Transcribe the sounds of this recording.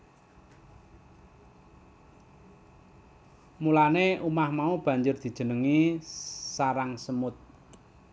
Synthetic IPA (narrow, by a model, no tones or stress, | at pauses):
mulaneʔumahmaub̥ä̤ɲd͡ʒʊrd̪̥i̤d̥ʒ̥ə̤nəŋi | saɾaŋsəmʊt̪̚